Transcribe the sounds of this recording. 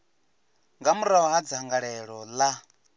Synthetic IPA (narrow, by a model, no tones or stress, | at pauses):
ŋɡamuɾaaɦad͡zɦaŋɡaɺɛɺɔla